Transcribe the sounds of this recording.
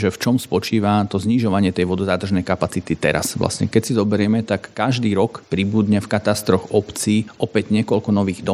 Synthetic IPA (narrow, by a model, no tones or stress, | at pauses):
ʒɛft͡ʃɔmspɔt͡ʃiːʋat̪ɔzɲiʒɔʋaɲɪɛt̪ɛjʋɔd̪ɔzaːt̪r̩ʒnɛjkapat͡sit̪it̪ɛ̰ɾa̰sʋla̰sɲɛ̰kɛcsizɔbɛɾɪɛmɛt̪akːaʒd̪iːɾɔkpɾibud̪ɲɛfkat̪ast̪ɾɔxɔpt͡siːʔɔpɛɟɲɛkɔʎkɔnɔʋiːɣd̪ɔ